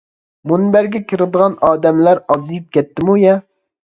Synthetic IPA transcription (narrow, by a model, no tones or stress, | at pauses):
munbæɾɡʲɛkʲʰɪɾɨd̪ɨʁɑnɑːd̪ɛmlæɾɑzɨjip̚kʲɛt̪ʰːɪmujɛ